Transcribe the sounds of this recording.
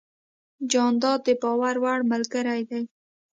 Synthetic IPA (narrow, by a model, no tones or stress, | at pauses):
d͡ʒɑnd̪ɑd̪̚d̪əbɑwaɾwaɽməlɡəɾajd̪aj